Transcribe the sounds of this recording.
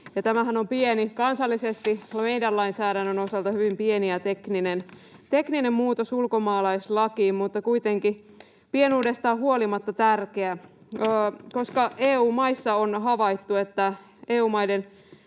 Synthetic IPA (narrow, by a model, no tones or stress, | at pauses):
jɑt̪æmæɦænompienikɑnsɑlːisest̪imejdælːɑinsæːɾænːøno̞sɑlt̪ɑhyʋimpieniæt̪ekninent̪e̞knine̞mmuːt̪osulkomɑːlɑislɑkiːmmut̪ːɑkuit̪e̞ŋki | pienuːde̞st̪ɑːhuolimɑt̪ːɑt̪ærkeæː | ko̞skɑeːuːmɑjsːɑonɦɑʋɑit̪ːuet̪ːæ | eːuːmɑjden